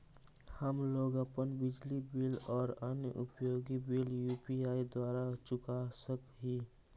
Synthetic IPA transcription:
həmloːɡəpənbɪd͡ʒlibɪlɔːɾənjəʔʊpjoːɡibiljuːpiaːid̪waːɾat͡ʃʊkasəkɦi

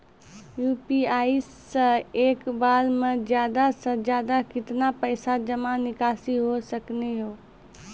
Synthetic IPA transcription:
juːpiaːis | ə̃eːkbaːlmẽd͡ʒjaːd̪asə̃d͡ʒjaːd̪akɪt̪napəɪsad͡ʒəmãnɪkaːsiɦosəkneɦoː

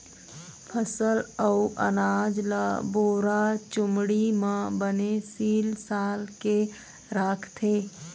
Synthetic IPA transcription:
pʰəsələʊʔə̰naːd͡ʒlaboːɾat͡ʃʊmɽimãbənesiːlsaːlke | ɾaːkʰt̪ʰeː

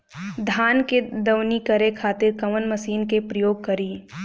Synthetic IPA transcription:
d̪ʱaːnked̪ɐwnikɐɾekʰaːt̪ɪɾkɐmənməsiːnkepɾəjoːɡ̚kɐɾiː

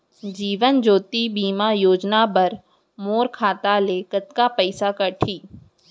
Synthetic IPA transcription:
d͡ʒiːʋənd͡ʒoːt̪ibiːmajoːd͡ʒnabɐɾ | moːɾkʰaːt̪aleːkət̪kapɛɪsakɐʈʰiː

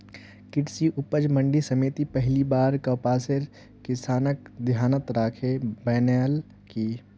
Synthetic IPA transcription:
kɪʈsiʔʊpəd͡ʒmə̃ɳɖisɐmeːt̪ipɛɦlibaːɾkɐpaːsɪɾ | kɪsaːnək̚d̪jaːnət̪ɾaːkʰebɛːneːl | ki

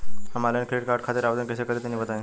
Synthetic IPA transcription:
amalenkʰɾeʈkaɾʈ̚kʰat̪iːɾaʋəd̪ənkesekəɾiːt̪janːiːbət̪aen

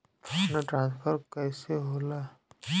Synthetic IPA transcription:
onaʈɾãːnspʰəɾkɛːseɦoːla

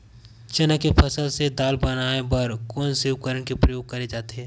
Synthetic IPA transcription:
t͡ʃɐnəkːepʰɐsəlsed̪aːlbənaːebəɾkɔːnseʊkəɾəɳkepɾəjoːɡ̚kɐɾed͡ʒaːt̪eɦɛː

